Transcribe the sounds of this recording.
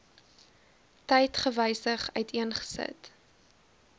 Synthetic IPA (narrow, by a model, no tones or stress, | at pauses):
tɛjtχəvəjsəχœ̰ɥtʰiənχə̥sə̰t